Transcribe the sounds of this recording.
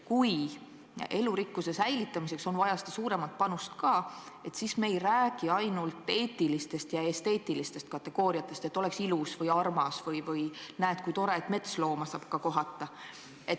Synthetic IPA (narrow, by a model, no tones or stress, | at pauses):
kuj | e̞luɾikːuse̞sæjlit̪ːˑɑmise̞kso̞nvɑjɑse̥t̪ɑsuːɾe̞mɑt̪̚pɑnust̪kɑː | e̞t̪sisme̞jræːɡ̥iɑjnult̪ːˑe̞ːt̪ːˑilist̪e̞st̪jɑe̞st̪e̞ːt̪ˑilist̪e̞st̪̚kɑt̪ːˑe̞ɡ̥o̞ːɾiɑt̪ːˑe̞st̪e̞t̪ːˑo̞le̞ksilusvɯjɑrmɑsvɯjvɯjnæet̪̚kujt̪o̞ɾet̪ːˑme̞t̪slo̞ːmɑsɑːb̥kɑko̞ɦɑt̪ːˑɑ | e̞t̪